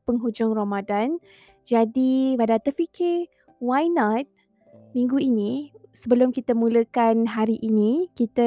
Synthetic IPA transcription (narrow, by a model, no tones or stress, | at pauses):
pəŋɦud͡ʒʊŋramadan | d͡ʒadibadat̪əfikɪ | wajnat̪̚ | mĩŋɡuinĩsəbəlʊmkit̪əmũləkanɦaɾiʔinikit̪ə